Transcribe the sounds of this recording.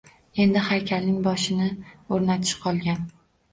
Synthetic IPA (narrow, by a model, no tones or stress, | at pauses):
e̞nd̪ɪhajkʲʰalnɪŋbɒʃɪnɪoɾnat̪ʰɪ̥ʃqʰɒlˠɡʲan